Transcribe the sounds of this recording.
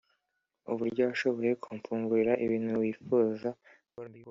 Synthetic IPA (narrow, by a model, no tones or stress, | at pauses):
uβuɾɟowaʃo̞βo̞je̞kʰuːɱfuːŋɡuiɾaʔiβiːn̥huwiːfuːza